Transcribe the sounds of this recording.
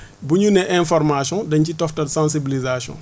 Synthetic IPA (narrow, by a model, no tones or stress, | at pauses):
buɲunɛʔɛ̃fɔrmasjɔ̃dɐɲcitɔftɐtsãns̬ibilizasɔ̰̃